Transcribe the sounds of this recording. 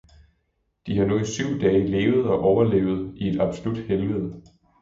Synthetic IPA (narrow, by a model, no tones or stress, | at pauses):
d̥ihɑ̈nuisyʊ̰d̥ɛːle̝ːʊð̞̩ˠɒ̽ʔɒʊɐle̝̰ːʊð̞̩ˠie̝d̥ɑ̈b̥solud̥helʋeð̩̰ˠ